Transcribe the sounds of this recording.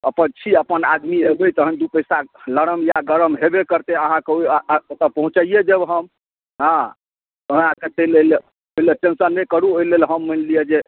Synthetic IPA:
ə̰pənt͡ʃʰiəpəna̰d̪miɦebət̪əɦənd̪upəjsaləɾəmjaɡəɾəmɦebekəɾt̪eəɦãkeot̪əpəɦũt͡ʃəijed͡ʒəbɦəm | ɦã | əɦãket̪elel | oileʈẽnsəɾnːəkəɾuoilelɦəmːənlijed͡ʒe

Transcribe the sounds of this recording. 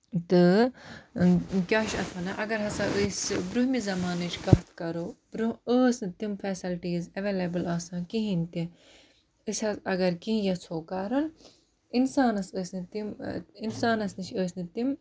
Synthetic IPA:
t̪ɨ | kʲaːʃɐ̰t̪ʰɐnɐʔɐɡɐɾɦɐsãːʔəsʲbɾuɦmizɐmaːnɨt͡ʃʰɡɐft̪kɐɾob̥ɾuəːsʲnɨt̪imfɛːsɐlʈiːzɐʋeːlɐbɨlaːsãːkiɦint̪i | ɨsʲɐɐɡɐɾkiɦĩjɐt͡sʰoːkɐːɾun | insaːnɐsəːsʲnɨt̪iminsaːnɐsnɨt͡ʃʰəːsʲnɨt̪im

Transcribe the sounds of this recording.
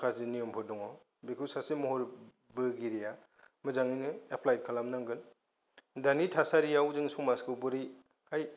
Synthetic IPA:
kʰazinijɔmpʰɯdɔŋɔ | bikʰusasimɔɦɔɾ | bɯɡiɾija | mɯzaŋinɯeplajt̚kʰalamnaŋɡɯn | danitʰasaɾijawzɯŋsumaskʰɯwbɯɾi | haj

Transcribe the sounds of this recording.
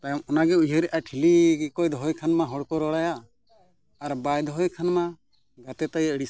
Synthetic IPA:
t̪ajmɔnaɡɛujɦəɾɛʔaʈʰiliɡkɔjd̪ɔɦɔjkʰanmaɦɔɽkɔɾɔɽajaː | ɾbajd̪ɔɦɔjkʰanma | ɡat̪ɛt̪ajəɽis

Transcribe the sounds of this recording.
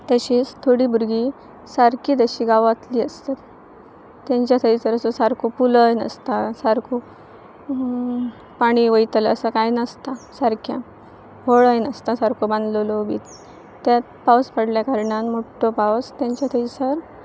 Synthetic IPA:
t̪əɕiːst̪ʰoɽiːbuɾɡiː | saɾkiːt̪əɕiːɡaʋat̪liːəst̪at̪ː | jãɲt͡ɕjat̪ʰəisəɾəsəsaɾkʰopuləjnə̰st̪asaɾkʰo | paɽ̃iʋəjt̪ələsəkajnəst̪asaɾkʰja | boɭəjnəst̪asaɾkʰobə̃nd̪ləlobḭːt̪ | t̪ːjat̪̚pawspəɽljakaɾɳanmoʈʰːopawst̪jãɲt͡ɕjat̪ʰəisəɾ

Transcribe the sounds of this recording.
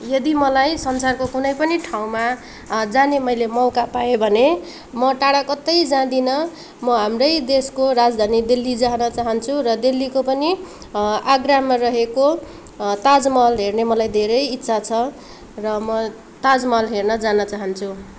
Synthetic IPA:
jʌd̪imʌlajsʌnsarkokunʌjpʌniʈʰaw̃ma | d͡zanemʌjlemʌwkapajobʱʌne | mʌʈaɽakʌt̪ːʌjd͡zãd̪inʌ | mʌɦamrʌjd̪eskorad͡zd̪ʱanid̪ilːid͡zanʌt͡saɦʌnt͡sʰurʌd̪ilːikopʌni | aɡramarʌɦeko | t̪ad͡zmʌlɦernemʌlajd̪ʱeɾʌjit̪ːsʰat͡sʰʌ | rʌmʌ | t̪ad͡zmʌlɦernʌd͡zanʌt͡saɦʌnt͡sʰu

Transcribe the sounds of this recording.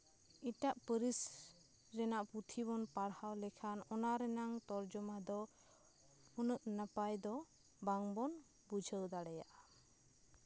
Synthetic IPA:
iʈaʔpəɾis | ɾɛnaʔput̪ʰibɔnpaɽhawlɛkʰanɔnaɾɛnaŋt̪ɔɾd͡ʒɔmad̪ɔ | unəʔnəpajd̪ɔ | baŋbɔn | bud͡ʒʱəwd̪aɽɛja̰ʔa

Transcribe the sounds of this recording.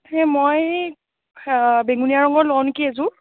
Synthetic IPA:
hɛ̃moj | beŋunijaɹɔŋɡɔɹlawnkiɛzʊ̃

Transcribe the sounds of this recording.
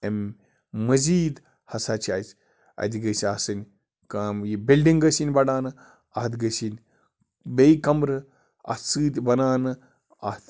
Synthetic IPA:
em | mɐziːd̪ | hɐsaːt͡ʃʰiaːsʲ | ɐ̰d̪ʲiɡɐsiasɨnʲ | kamjibilɖiŋɡɐsinʲbɐɽaːnɨ | ɐɦt̪ɡɐsinʲ | bejkɐmɾɨ | ɐ̰sɨːt̪ʲbɐnaːnɨ | a̰t̪

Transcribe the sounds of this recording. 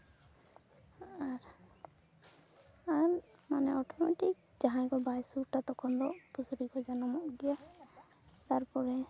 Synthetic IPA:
aɾ | aɾmanɛɔʈɔma̰ʈik̚ | d͡ʒaɦãjkɔbajsuɾʈat̪ɔkʰɔnd̪ɔʔpusuɾikɔd͡ʒanɔmɔʔɡija | t̪aɾpɔɾɛ

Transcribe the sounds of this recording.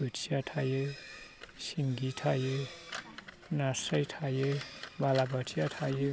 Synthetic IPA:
buʈsjaʈʰaje | siŋɡitʰaje | nasʌjtʰajebalabʌʈʰijaʈʰaje

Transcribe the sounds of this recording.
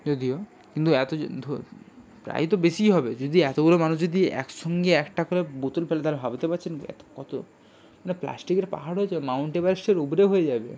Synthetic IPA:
d͡ʒod̪io | kint̪uɛt̪od̪ʱ | pɾa̰jt̪obeʃiɦɔbed͡ʒod̪iɛt̪oɡolomanuʃd͡ʑod̪iɛ̰kʃɔŋɡeɛkʈakoɾebot̪ulfelet̪aɾebʱabit̪epaɾt͡ɕʰenɛ̰t̪o̥kɔt̪o | manepla̰sʈikeɾpa̰ɦaɽɦoed͡ʑabemawɳʈebaɾiʃeɾubɾeɦojed͡ʑabḛ

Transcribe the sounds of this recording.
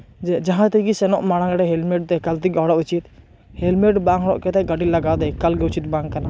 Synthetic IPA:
d͡ʒd͡ʒaɦãt̪ikisɛnɔʔmaɽ̃ãɡaɖɛɦɛlmɛʈ̚t̪ɛkalt̪ikɔɽɔʔut͡ʃit̪ | hɛlmɛʈbãŋɦɔɽɔʔkɛt̪ɛɡəʈilaɡad̪ɛkalɡɛut͡ʃit̪̚bãŋkana

